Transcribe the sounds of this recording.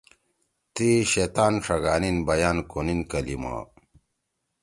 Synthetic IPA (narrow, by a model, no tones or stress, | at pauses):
t̪iɕet̪aːnʂɐɡaːninbɐjaːnkoninkɐlḭma̰